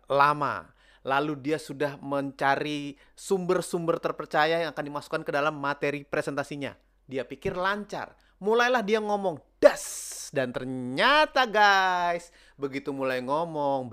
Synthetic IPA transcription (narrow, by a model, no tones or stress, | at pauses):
lama̰ | laludiasudahməɲt͡ʃaɾi | sumbərsumbərt̪ərpərt͡ʃajajaŋakandimasu̥kankədalamːat̪eɾipɾesɛnt̪asiɲa̰ | diapikɪrlaɲt͡ʃa̰r | mulajlahdiaŋɔmɔŋd̥asdant̪ərɲat̪aɡajs | bəɡit̪umulajŋɔmɔŋ